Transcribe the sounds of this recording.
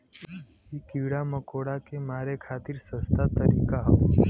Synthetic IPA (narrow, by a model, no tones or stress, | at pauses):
ɦikiʋɽaməkoɽakemaɾekʰat̪iːɾsəst̪at̪əɾḭkaɦ